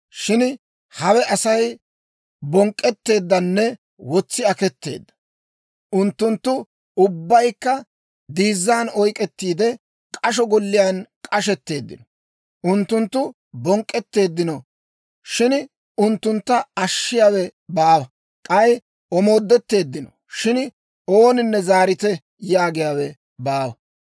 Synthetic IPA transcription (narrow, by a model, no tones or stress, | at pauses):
ʃɪn | hɐwɛʔɐsɐj | bɔŋkʼːɛt̪ːe̞ːd̪ːɐnːɛ | wɔt͡sːɪɐkɛt̪ːe̞̰ːd̪ːɐ̥ | ʔʊnt̪ːʊnt̪ːʊ | ʊbːɐjkːɐ | d̪iːzːaːnɔjkʼɛt̪ːiːd̪ɛ | kʼɐʃɔɡɔlːɪjaːnkʼɐʃɛt̪ːe̞ːd̪ːɪ̰nɔ | ʔʊnt̪ːʊnt̪ːʊ | bɔŋkʼːɛt̪ːe̞ːd̪ːɪnɔ | ʃɪn | ʊnt̪ːʊnt̪ːɐɐʃːɪjaːwɛbaːwɐ | kʼɐj | ɔmo̞ːd̪ːɛt̪ːe̞ːd̪ːɪnɔ | ʃɪn | o̞ːnɪnːɛzaːɾɪt̪ɛ | jaːɡɪjaːwɛ | baːwɐ